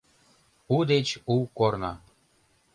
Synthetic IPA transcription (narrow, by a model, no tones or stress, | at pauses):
ud̪et͡ɕuwkornɑ̰